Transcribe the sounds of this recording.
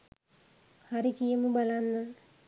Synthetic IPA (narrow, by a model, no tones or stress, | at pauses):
haɾikijəməbalanːə